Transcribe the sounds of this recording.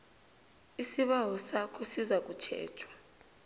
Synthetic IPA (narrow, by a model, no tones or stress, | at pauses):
isiɓawɔsakʰɔsizak̬ut͡ʃʰɛ̰ːt͡ʃʰwḁ